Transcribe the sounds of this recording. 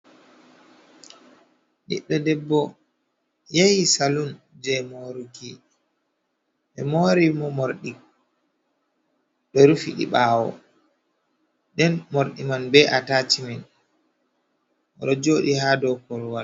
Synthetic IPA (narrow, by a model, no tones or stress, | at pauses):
ɗḭɓːɛdɛbːɔ | jajisalun | d͡ʒɛmoɾuki | ɓɛmoɾimɔmoɾɗi | ɗɔɾufḭɗḭɓaːwɔ̰ | ɗɛnmoɾɗimanbɛʔatatimɛn | ɔɾɔd͡ʒoːɗihaːdɔkɔɾwal